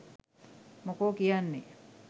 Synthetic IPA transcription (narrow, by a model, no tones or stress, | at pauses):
mokoːkijanːe